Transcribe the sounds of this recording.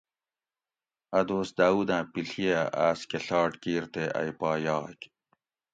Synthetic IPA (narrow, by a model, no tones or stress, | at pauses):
ɐd̪oːsd̪aːuːd̪ãːpiɬijaaːskeɬɑːʈkiːɾt̪eʔɐ̰jpaːjɑːk